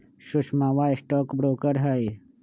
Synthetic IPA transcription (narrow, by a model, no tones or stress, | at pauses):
ʃʊʃmãːʋaːjsʈɔːkbɾoːkəɾɦɐj